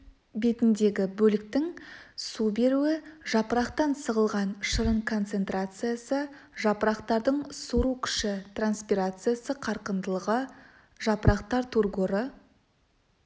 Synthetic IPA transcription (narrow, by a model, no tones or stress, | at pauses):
be̞t̪ɪnd̪e̞ɡʲɪbɵlɪk̚t̪ɪŋsube̞ɾuɪʒɑpəɾɑqt̪ɑnsəʁəlˠʁɑnʃəɾəɴkʰo̞nt̪se̞nt̪rat̪sɨjasə | ʒɑpəɾɑqt̪ɑɾd̪əɴsuɾukʲʰʏ̥ʃɪt̪ranspiɾat̪sɨjasəqʰɑɾqənd̪əlˠəʁə | ʒɑpəɾɑqt̪ɑɾt̪ʰurɡoɾə